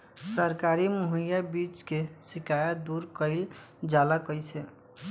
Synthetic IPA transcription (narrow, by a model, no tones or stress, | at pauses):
səɾkaɾimuɦəjabit͡ʃkesikajəd̪uɾkəɪld͡ʒalakəjsɛ